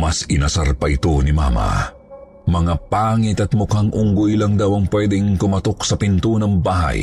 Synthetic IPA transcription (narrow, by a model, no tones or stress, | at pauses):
mɐsɪnɐsaɾpɐʔɪt̪onɪma̰ːmɐ̰ | mɐŋapaːŋɪt̪ɐt̪̚mʊkhaŋʔʊŋɡojlɐŋd̪ɐwɐŋpwɛd̪ɛŋk̪ʊmɐt̪ok̚sɐpɪnt̪unɐŋbaːɦɐ̰j